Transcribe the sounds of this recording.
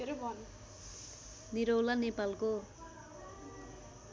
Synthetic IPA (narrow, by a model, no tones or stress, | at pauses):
eɾebʱʌn | niɾowlanepalko